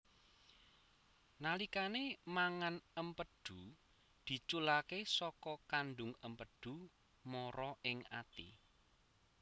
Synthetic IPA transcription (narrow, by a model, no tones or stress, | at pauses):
nalikanemaŋanəmpəd̪̥ṳ | d̪̥i̤t͡ʃulakesɔkɔkanɖʊŋəmpəd̥ṳ | mɔɾɔɪŋa̰t̪ḭ